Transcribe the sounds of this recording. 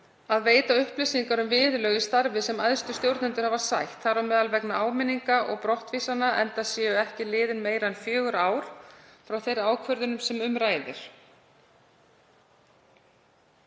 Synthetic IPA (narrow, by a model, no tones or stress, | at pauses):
aðveːjt̪aʏhplɪsiŋkaɾʏmvɪːðlœːɣist̪aɾvɪsɛmajðst̪ʏ̥st̪jowɾt̪nɪnt̪ʏɾ̥havaɾ̥sajht̪θaɾawmɛːðalvɛknaaːwmɪnːiŋkaʔɔ̰ɣpɾɔht̪viːsanaʔɛ̰nt̪asjɛːʏɛhcɪlɪːðɪnmeːjɾaɛnfjœːɣʏɾaːwɾ̥fɾawθejɾaːwkʰvœɾðʏnʏmsɛmʏmɾaːjðɪ̰ɾ̥